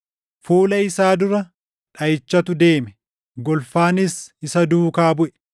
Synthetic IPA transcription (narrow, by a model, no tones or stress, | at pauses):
fuːlɐɪsaːd̪ʊɾɐ | ᶑɐjɪt͡ʃːɐt̪ʊd̪e̞ːmɛ | ɡɔlfaːnɪsɪsɐd̪uːkaːbʊʔɛ̥